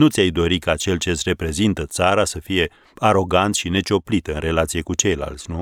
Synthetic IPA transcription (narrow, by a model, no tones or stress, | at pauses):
nut̪sʲajd̪o̞ɾikat͡ʃe̞lt͡ʃe̞t̪sʲre̞pɾe̞zint̪ət̪saɾasəfije̞ | aɾo̞ɡant̪ʃine̞t͡ʃo̞plit̪ɨnre̞lat̪sije̞kut͡ʃe̞jla̰lt̪sʲnu